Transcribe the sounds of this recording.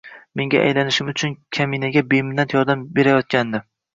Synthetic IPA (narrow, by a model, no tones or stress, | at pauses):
me̞ŋɡʲaʔa̰jlanɪʃɪmʊt͡ʃʰʊnkʲʰaminaɡʲabemɪnːat̪jɒɾd̪ambe̞ɾajɒt̪̚kʲand̪ɪ